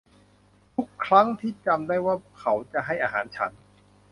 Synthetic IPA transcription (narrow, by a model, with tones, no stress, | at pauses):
t̪ʰu˦˥kʰːɾa˦˥ŋt̪ʰiː˥˩t͡ɕa˧mdaː˥˩jwaː˥˩kʰa˩˦wt͡ɕa˨˧ɦa˥˩jʔaː˧ɦaː˩˦nt͡ɕʰa˦n